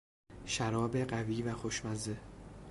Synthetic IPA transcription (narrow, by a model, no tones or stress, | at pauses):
ʃæɾɒːbe̞ɢæviːvæxoʃmæze